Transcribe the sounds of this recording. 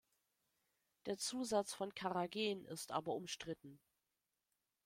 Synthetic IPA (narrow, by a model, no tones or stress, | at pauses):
d̥eːɐt͡suːzat͡sfɔnkʰaʁaɡeːnɪ̰stʔa̰ːbɐʊmʃtʁ̥ɪtn̩